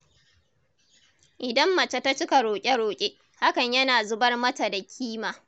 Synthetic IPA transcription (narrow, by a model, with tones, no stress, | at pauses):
ʔɪ˨dɐ˦mːɐ˨t͡ʃa˦ta˦t͡ʃɪ˦ka˨ɾoː˨kʲʼe˦ɽoː˨kʲʼe˦ | ha˦kɐ˨ɲjɐ˦naː˨zʊ˦bɐ˦rmɐ˦ta˨da˨kʲʰiː˦maː˨